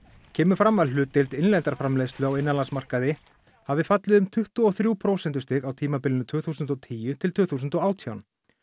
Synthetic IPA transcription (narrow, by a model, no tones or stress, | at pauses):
cʰɛːmʏfɾamːaðʏːt̪ɪlt̪ɪnlɛnt̪aɾ̥fɾamlejðst̪lʏawɪnːanlansmar̥kaðɪ | havɪfat̪lɪðʏmt̪ʰʏht̪uɔθɾjuːwpʰɾowsɛnt̪ʏ̥st̪ɪɣawt̪ʰiːmapɪlɪnʏt̪ʰʏːθusʏnt̪ɔt̪ʰiːjʏt̪ʰɪlt̪ʰʏːθuːsʏnt̪ɔaːwt̪ʰjawn